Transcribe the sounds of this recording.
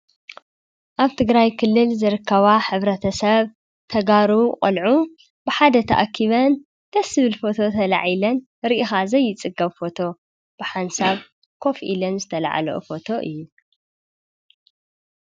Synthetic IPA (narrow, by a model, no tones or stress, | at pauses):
ʔaβt̪ʰɨɡɾajkʰɨlːɨlzɨɾɨkʰːɐβaħɨβɾɐt̪ʰɐsɐβ | t̪ʰɐɡaɾuqʼɐlʕu | b̥ɨħad̪ɐt̪ʰɐ̰ʔakʰːiβɐn | d̪̥ɐsɨβɨlfo̞t̪ʰo̞t̪ʰɐla̰ʕilɐn | ɾiʔixazɐjːɪt͡sʼɨɡɐβfo̞t̪ʰo̞ | b̥ɨħansaβ | kʰo̞fʔḭlɐnzɨt̪ʰɐla̰ʕa̰loʔfo̞t̪ʰo̞ʔɨ̰jːu